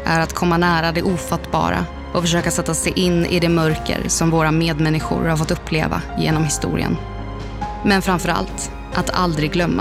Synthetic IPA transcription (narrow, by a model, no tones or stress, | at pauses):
ʔæɾat̪kʰɔmːanæːɾad̪ɛʔuːfat̪ːbɑ̰ːɾa̰ | ɔfœʂøːkasɛt̪ːasɛjʔɪnːʔɪ̰d̪ɛmœɾkə̰ɾsɔmvoːɾameːd̪mɛnːɪɧʊ̰ɾhaɾfɔt̪ːɵpʰːlḛːva̰jḛːnɔmhɪst̪ṵːɾɪ̰ə̰n | mɛnfɾamfœɾa̰lt̪ | ʔat̪ʰa̰ld̪ɾɪɡɡlœmːa